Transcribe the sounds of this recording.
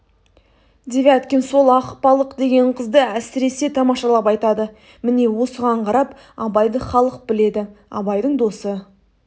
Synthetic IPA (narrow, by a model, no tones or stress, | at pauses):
d̪evʲat̪kʲenso̞lˠɑqpɑlˠəqd̪e̞ɡʲe̞ɴqʰəzd̪əæsɪɾe̞se̞t̪ʰɑmɑʃɑlˠɑpɑjt̪ɑd̪ə | mɪne̞wo̞səʁɑɴqʰɑɾɑp | ɑbɑjd̪əχɑlˠəq̚bɪle̞d̪ɪɑ̰bɑjd̪əɴd̪o̞sə